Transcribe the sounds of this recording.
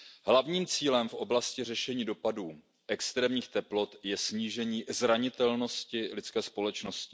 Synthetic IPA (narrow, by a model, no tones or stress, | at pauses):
ɦlavɲiːmt͡siːlɛmfʔo̞blascɪrɛʃɛɲiːdo̞paduː | ʔɛkst̪ɾɛːmɲiːxt̪ɛplo̞t̪jɛsɲiːʒɛɲiːzɾaɲɪt̪ɛlno̞scɪlɪt͡skɛːspo̞lɛt͡ʃno̞scɪ̥